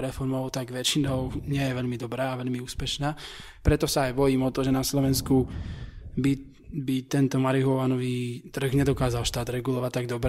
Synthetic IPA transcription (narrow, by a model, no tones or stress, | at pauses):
ɾɛfɔɾmɔʊt̪aɡʋɛt͡ʃinɔʊɲɪɛjɛʋɛʎmid̪ɔbɾaːʋɛʎmiuːspɛʃnaː | pɾɛt̪ɔsaːjbɔjiːmɔt̪ɔʒɛnaslɔʋɛnsku | bi | bit̪ɛnt̪ɔmaɾiɦɔʋanɔʋiːt̪r̩ɣɲɛd̪ɔkaːzalʃt̪aːd̪ɾɛɡulɔʋact̪aɡ̚d̪ɔbɾ